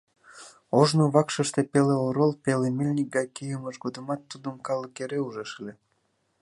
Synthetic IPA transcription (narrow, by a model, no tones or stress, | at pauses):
oʒnoβɑkʃəʃt̪epeleoɾolpelemelʲnʲik̚ɡɑjkejəməʃɡod̪əmɑt̪ːud̪əmkɑləkeɾeuʒeʃele